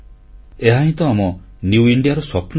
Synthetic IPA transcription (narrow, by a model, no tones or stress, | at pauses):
eɦaɦĩt̪ɔːmɔ | njuuiɳɖijaɾɔswɔpʰn